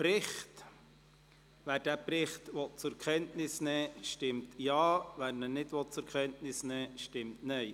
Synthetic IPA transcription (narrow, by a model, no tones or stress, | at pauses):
pɾɪχt | ʋæːɾd̥æːpɾɪχtʋɔt̚t͡sʊɾkχɛntnɪsnɛːʃtɪmtjɑːʋæːɾnənɪtʋɔt̚t͡sʊɾkʰχɛntnɪsnɛːʃtɪmtnɛɪ